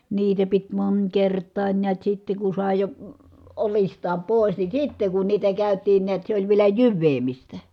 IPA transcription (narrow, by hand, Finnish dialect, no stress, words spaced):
niːtæ pit monʲkertˑɑːnʲ niæt sitːe ku sɑˑe jo olistˑɑːm poˑi̯s ni sitːe ku niːtæ kæˑytˑiːn niæt se olʲ ʋielæ jyʋːeːmistæ